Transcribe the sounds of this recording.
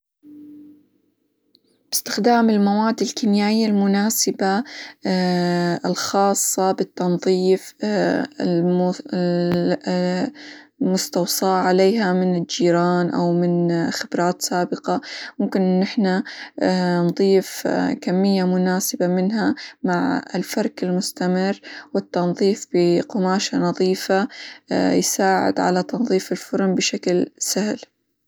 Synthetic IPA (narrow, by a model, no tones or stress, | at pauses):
b̥ɪst̪ɪ̥xd̪aːmɪlmawaːd̪ɪlkinjaːʔɪjːalmʊnaːsɪba | ɪlxɑːsˤːɑbɪt̪ːɑnðˤiːf | ɪm | mʊst̪ɑwsˤɑːʕaleːɦamɪnɪd͡ʒiːɾɑːnʔa̰wmɪnxɪbɾˤɑːt̪saːbɪqɑmʊmkɪnʔɪnːɪħna | nðˤiːfkamːɪjːamʊnaːsɪbamɪnɦamaʕɪ̰lfɑɾˤkɪlmʊst̪amɪrːwɪt̪ːɑnðˤiːfb̥ɪqʊmaːʃanɑðˤiːfa | jsaːʕɪ̰d̪ʕa̰lat̪ɑnðˤiːfɪlfʊɾˤmbɪʃaklsahl